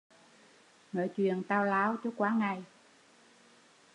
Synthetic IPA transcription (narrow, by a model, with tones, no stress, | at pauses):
ŋəː˧˩jt͡ɕwḭ˧˨ənt̪aː˧wlaː˨˦wt͡ɕɔ˨˦kwaː˨˦ŋa˨˩j